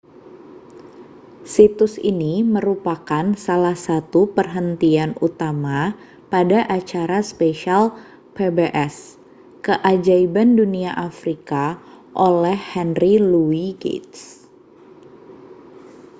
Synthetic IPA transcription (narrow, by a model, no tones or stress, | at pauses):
sit̪ʊsḭniməɾupakansalahsat̪upərɦənt̪ianut̪ama | padaʔat͡ʃaɾaspeʃal | pebeʔɛs | kəʔad͡ʒaibanduniaʔafɾika | ʔolɛhːɛnriluiɡḛt̪s